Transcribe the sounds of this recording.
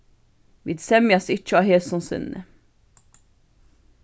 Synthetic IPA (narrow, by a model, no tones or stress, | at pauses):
ʋḭd̪sɛmɪɑsɪt͡ʃːəɑːheːlt̪sɔnsʏ̰nnə̰